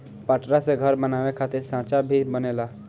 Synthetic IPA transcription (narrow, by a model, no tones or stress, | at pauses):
paʈɾaseɡʱəɾbənaːʋekʰaːt̪ɪɾsãːt͡ʃabʱibəneːlaː